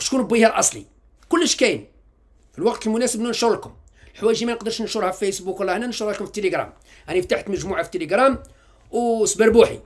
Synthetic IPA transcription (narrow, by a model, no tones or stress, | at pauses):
ʃkunbihælʔɑsˤlḭ | kʊlːəʃkæjn | filwɑqt̪əlmʊnæsəbnunʃuɾˤlkʊm | lħwæʒimænəqd̪əɾʃnəʃuɾhæffæjsbukwlːæhnːænəʃuɾˤhælkʊmfit̪ːəliɡɾæ̰m | ʔænift̪aħt̪məʒmuʕafit̪ːəliɡɾæm | wsbəɾbuħḭ